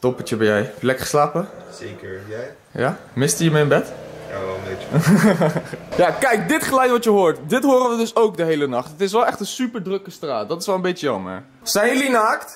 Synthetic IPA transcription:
tɔpət͡ʃəbɛjɛjplɛkχə̥slaːpə | ekəɹ | ja | mɪstyjəməɪnbɛt | e | jaːkɛjk̚dɪtχəlɛjtʋɑtjəɦoːɹtdɪtɦʊːrəʋədɵsowkdəɦejlənɑχtətɪsʋɛlˠʔɛχtənsypəɹdrɵkəstraːt̚dɑtɪsʋɛlˠə̃mbejtəjɑmə̰ɹ | sɛjnlinaːkt

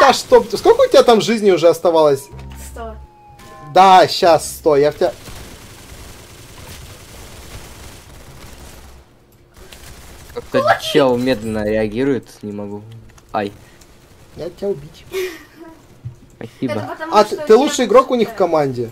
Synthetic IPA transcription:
t̪aʂt̪oskolʲkəʊtʲɪbʲat̪amʐɨzʲnʲɪʊʐɛɐst̪ɐvalˠəsʲ | d̪aɕːasːst̪ojaʊtʲa | kak̚t̪ət͡ɕelˠmʲe̞d̪lʲɪnəɾʲɪɐɡʲiɾʊjɪt̪nʲɪmɐɡuaj | jatʲɪaʊbʲitʲ | sspɐsʲibəat̪t̪ɨlˠutʂɨjɪɡɾo̞kʊnʲixfkɐmanʲdʲɪ

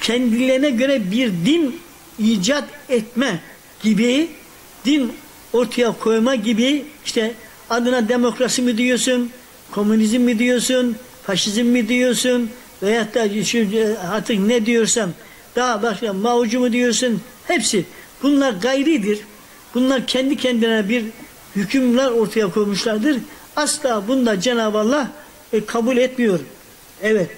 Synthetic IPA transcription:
cʰɛnd̪ilʲeɾinɛɟø̞ɾɛbiɾd̪in | iːd͡ʒat̪ɛt̪̚mɛ | ɟ̥ibi | d̪̥in | o̞ɾt̪ʰajakʰo̞jmaɟibiiʃt̪ʰɛ | ad̪ɯnad̪emo̞kɾasimɯd̪ijoɾsun | kʰo̞munizmːid̪ijoɾsun | faʃizmːid̪ijoɾsun | vɛjat̪ːaʃuaɾt̪ʰɯknɛd̪ijo̞ɾsam | d̪̥aɦabaʃkamaud͡ʒumud̪ijo̞ɾsun | hɛpsi | b̥unlˠaɾɡajɾɯd̪iɾ | b̥unlˠaɾcʰɛnd̪icʰɛnd̪inɛbiɾ | hycʰymlʲæɾo̞ɾt̪ʰajakʰo̞jmuʃlˠaɾd̪ɯɾ | aslˠaːbund̪ad͡ʒenaːbalˠːa | kʰabulʲɛt̪mijo̞ɾum | ɛvɛt̪̚

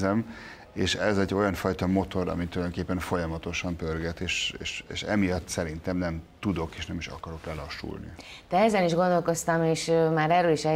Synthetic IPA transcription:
zɛm | eːʃɛzɛɟːo̞jɒɱfɒjt̪ɒmo̞t̪o̞ɾɒ̰mit̪uljdokeːpːɛɱfo̞jɒmɒt̪o̞ʃɒmpørɡɛt̪eːʃeːʃḛːʃɛ̰mijɒt̪ːsɛɾint̪ɛmnɛmt̪ud̪o̞keːʃnɛmiʃɒ̰kɒɾo̞klɛlɒʃːṵlnḭd̪̥ɛɛzɛniʒɡo̞nd̪o̞lko̞st̪ɒmeːʃmaːɾɛrøːliʃɛ

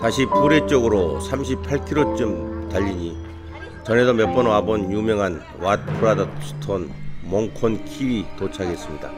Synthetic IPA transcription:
taɕʰipuɾe̞t͡ɕ͈ʌɡɯɾosʰamɕʰipʰaɭkʰiɾot͡ɕ͈ɯmtaʎːiɲi | t͡ɕʌne̞sʌmep͈ʌnoabʌnjumjʌŋɦan | wat̚pʰɯɾadʌsʰu̥tʰonmoŋkʰonkʰiwitot͡ɕʰaɡe̞s͈ɯmɲida̰

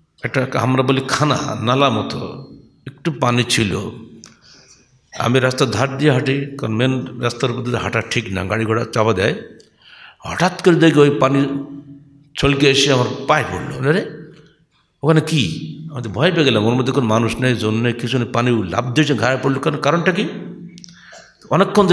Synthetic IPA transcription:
ɛk̚ʈaɦamɾabolikʰana̰nalamɔt̪ʰɔ̰ | ek̚ʈupanit͡ʃʰilo̰ | a̰miɾast̪ad̪ʱaʈ̚d̪ijaɦaʈikaɾɔnmenɾast̪aɾupɔd̪ʰit̪ɦaʈaʈʰikna̰ɡaɽiɡʱɔɽat͡ʃabad̪a̰j | ɦɔʈat̪kɔɾid̪ejkiojpani | t͡ʃʰɔlkiesiamɔɾpajpoɾlo̰neɾe | okanekiamit̪ɔbʱɔjpeɡelamoɾmɔd̪ʱːekonmanusnajzonːajkisunepanila̰b̚d̪eot͡ʃʰinɡʱaɾajpɔɽlukankaɾɔɳʈaki | ɔnekːɔnd̪

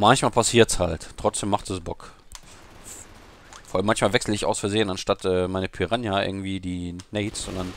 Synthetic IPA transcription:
mançmaːlpʰasiːɐtshalttʁ̥ɔt͡sd̥eːmːaχtɛsbɔk | fɔɐʔalmːançmaːlvɛksl̩əɪçaʊsfɛɐzeːənanʃtatʔɛːmaɪnəpʰyʁanjaʔɪ̰ɐɡŋ̩tv̥iːdiːneːtsz̥ɔndan

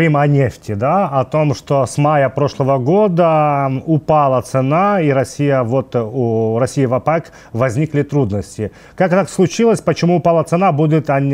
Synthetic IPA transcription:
ɨmɐnʲeftʲɪd̪aɐt̪o̞mʂt̪o̞smajəpɾo̞ʂlˠəvəɡo̞d̪əʊpalˠət̪sɨnaiɾɐsʲːijəvo̞t̪uɾɐsʲijɪvɐpak | vɐzʲnʲiklʲɪt̪ɾud̪nəsʲtʲɪ | kakt̪akslˠʊt͡ɕilˠəsʲpət͡ɕɪmuːpalˠət̪sɨnabudʲɪt̪ɐ

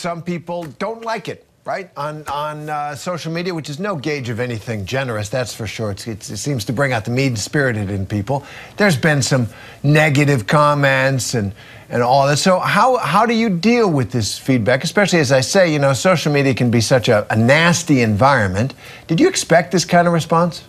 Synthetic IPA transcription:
sʌ̃mpipl̩ˠdõʊ̃nʔˡlaɪkɨt̚ | ɹaɪɾn̩n̩soʊʃl̩ˠmiɾiɨwɨt͡ʃɨznoʊɡeɪd͡ʒʌvɛniθɪ̃ŋd͡ʒɛnə˞ɨsðætsfə˞ʃʊɹɨtsɨtɨtsĩmz̥tʰɨbɹɪ̃ŋaʊt̪̚ðəmidspɪɹɨɾɨɾɨ̃npipl̩ˠðə˞zbɨ̃nsʌ̃m | nɛɡɨɾɨv̥kʰɑmɛ̃ntsɨ̃n | ɨ̃nɔlˠðætsoʊhaʊɦaʊɾɨjɨdilˠwɨðɪsfid̚bækɨspɛʃl̩ˠiɨzaɪseɪjɨnoʊsoʊʃl̩ˠmiɾiɨkɨ̃nbisʌt͡ʃɨənæstiɨ̃ɱvaɪɹɨ̃nmɨ̃n | d̥ɨd͡ʒɨɨkspɛk̚t̪̚ðɪskʰãɪ̃ndʌvɹɨspɑ̃ns

